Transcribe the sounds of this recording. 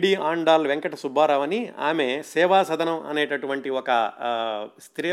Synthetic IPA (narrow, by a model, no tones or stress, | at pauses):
ɽiːaːɳɖaːlʋeŋkɐʈɐsubʱaːɾɐʋɐnia̰ːmesɛːʋaːsɐd̪ʱɐnɐmɐ̰neːʈɐʈuʋɐɳʈiɔkɐ | st̪ʰɾiː